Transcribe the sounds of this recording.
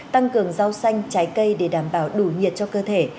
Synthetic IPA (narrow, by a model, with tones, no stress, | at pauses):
t̪a˧ŋkɨ˨˩əŋza˧wsa˧jŋ̟t͡ɕaː˨˦jkə˧jɗe˧˩ɗaː˧˩mɓaː˧˩wɗu˧˩ŋi˨˩ət̚t͡ɕɔ˧kəː˧t̪ʰe˧˩